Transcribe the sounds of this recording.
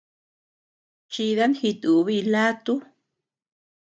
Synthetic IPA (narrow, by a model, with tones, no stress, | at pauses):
t͡ʃi˧ða˦nhi˧t̪u˨˧βi˧la˦t̪u˦